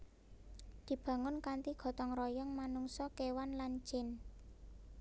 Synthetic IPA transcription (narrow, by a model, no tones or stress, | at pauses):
d̪̥i̤b̥ä̤ŋʊnkant̪iɡ̥ɔ̤t̪ɔŋrɔjɔŋmanuŋsɔkewanlan̥t͡ʃɪn